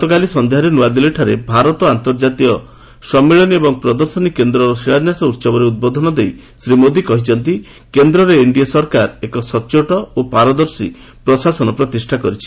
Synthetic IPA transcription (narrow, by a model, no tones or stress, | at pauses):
t̪ɔkalisɔnd̪eɦaɾenuwad̪ileʈʰaɾebʱaɾɔt̪ɔant̪ɔɾd͡ʒat̪iɔ | sɔmːeɭɔniebɔŋpɾɔd̪ɔɾsɔnikend̪ɾɔɾɔsiɾad͡ʒnjasɔut̪sɔbɔɾeud̪̚bod̪ʱɔnɔd̪ej | sɾimod̪ikɔɦit͡ʃɔnt̪i | kend̪ɾɔɾeiɳɖiasɔɾkaɾekɔsɔt͡ʃoʈɔopaɾɔd̪ɔɾsi | pɾɔsasɔnɔpɾɔt̪isʈʰakɔɾit͡ʃʰi̥